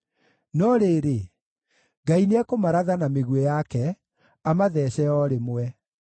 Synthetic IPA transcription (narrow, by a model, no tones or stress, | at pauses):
nɔɾeːɾe | ɡaineɛkomaɾaðanameɣwɛjakɛ | amaðɛɕɛɔɾemowɛ